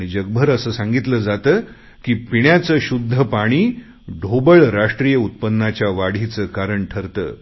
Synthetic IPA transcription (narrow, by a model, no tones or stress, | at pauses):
ɽ̃id͡ʑəɡ̚bʱəɾəsəːsãŋɡit̪ləd͡zat̪əː | kiːpiɳjat͡səːɕud̪ʱːəpaɽ̃iː | ɖʱobəɭɾaʂʈɾijəut̪̚pənːat͡ɕjaʋaɽ̤it͡səːkaɾəɳʈʰəɾt̪ə̰ː